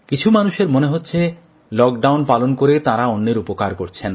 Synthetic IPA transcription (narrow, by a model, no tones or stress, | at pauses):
kit͡ɕʰumanuʃeɾmoneɦotːɕʰe | lɔk̚ɖawnpalonkoɾet̪aɾaonːeɾupokaɾkoɾt͡ɕʰen